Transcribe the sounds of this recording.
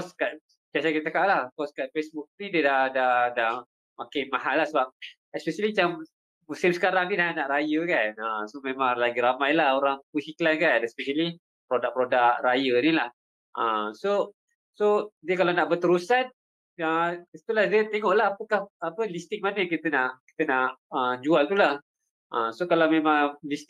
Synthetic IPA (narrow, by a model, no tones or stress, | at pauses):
kɔskaʔ̪̚ | biasakit̪əəkaʔlahkɔskaʔ̪̚fesbuk̚nidiədahdahdah | makamahalːahsəbap̚ | ɛspɛʃəliat͡ʃam | musɪmsəkaɾaŋnidanaʔɾajəkanasomemãŋlaɡiɾamajlahoɾaŋpuhiklankanɛspɛʃəli | pɾodak̚pɾodak̚rajənilah | ʔəmso | sodiəkalawnaʔbət̪əɾusan | əit̪ulahdiət̪eŋɔʔlahapəkahapəlist̪ɪk̚manəjaŋkit̪ənaʔki̥t̪ənaʔəd͡ʒualt̪ulah | ʔəsokalawmemãŋlist̪